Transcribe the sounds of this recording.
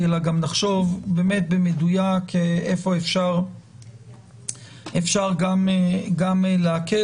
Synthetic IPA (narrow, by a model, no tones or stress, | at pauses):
elaɡamnaχʃo̞vbe̞ːme̞t̪̚bemedujakeefo̞efʃaʁ | efʃaʁɡameɡamleake